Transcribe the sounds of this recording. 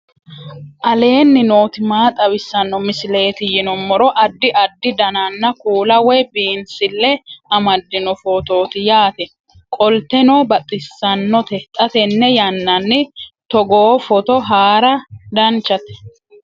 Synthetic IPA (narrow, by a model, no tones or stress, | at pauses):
ʔɐle̞ːnːɪnoːt̪ɪmaːt̪ʼɐwɪsːɐnːɔmɪsɪle̞ːt̪ɪjɪnɔmːɔɾɔʔɐd̪ːɪʔɐd̪ːɪd̪ɐnanːɐkuːlɐwɛjbiːnsɪlːɛɐmɐd̪ːɪnɔfoːt̪o̞ːt̪ɪjaːt̪ɛ | kʼɔlt̪ɛnoːbɐt̪ʼːɪsːɐnːɔt̪ɛt̪ʼːɐt̪ɛnːɛjɐnːɐnːɪt̪ɔɡoːfɔt̪ɔɦaːɾɐd̪ɐnt͡ʃːɐt̪ɛ̥